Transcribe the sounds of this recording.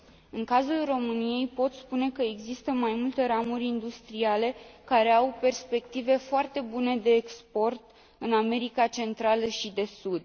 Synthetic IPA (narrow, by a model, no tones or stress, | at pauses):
ɨŋkazulro̞mɨnije̞jpo̞t̪spune̞kəeɡzist̪əmajmult̪e̞ɾamurʲind̪ust̪ɾiale̞kaɾe̞awpe̞rspe̞kt̪ive̞foart̪e̞bune̞d̪e̞ːkspo̞rt̪ | ɨname̞ɾikat͡ʃe̞nt̪ɾaləʃid̪e̞sud̪